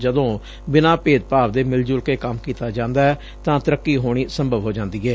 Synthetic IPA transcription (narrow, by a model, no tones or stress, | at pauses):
d͡ʒəd̪õː | bɪnaːpeːd̪̚paːʋd̪eːmɪld͡ʒʊlkeːkəmkiːt̪aːd͡ʒãːnd̪aːɛː | t̪ãːt̪əɾəkːiːɦoːɽ̃iːsəmbəʋɦoːd͡ʒãːnd̪iːɛː